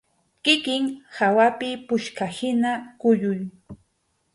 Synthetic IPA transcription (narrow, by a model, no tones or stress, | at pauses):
kɪkɪŋhawapɪpʊʃkahɪnakʊjʊj